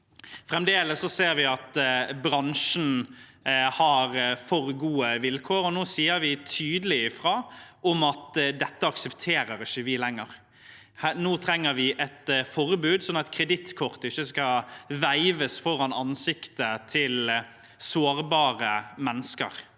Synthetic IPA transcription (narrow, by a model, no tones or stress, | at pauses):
fɾɛmd̪eːləsːɔseːɾʋɪɑt̪bɾɑnʂn̩ | hɑɾfɔɾɡuːəʋɪlkʰoːɾɔnoːsiːəɾʋɪt̪ʰyːd̪əlɪɪfɾɑːʔɔmɑt̪d̪ɛt̪ːəɑksɛpt̪ʰeːɾəɾɪçːəʋɪlɛŋːəɾ | hnoːt̪ʰɾɛŋːəɾʋɪʔɛt̪fɔɾbʉːd̪sɔnːɑt̪kʰɾɛd̪ɪt̪kʰɔʁt̪əɪçːəskɑʋæɪʋəsfɔɾɑnɑnsɪkt̪ət̪ʰɪl | soːɾbɑːʁəmɛnːəskə̰ɾ